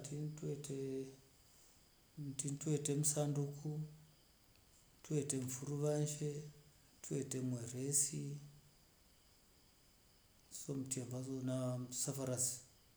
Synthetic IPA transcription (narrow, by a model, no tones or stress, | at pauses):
titete | tintuetemusandukʰu | tʰueteɱfuruʋanʃe | tʰuetemweresi | somutiambaonasafaɾasi̥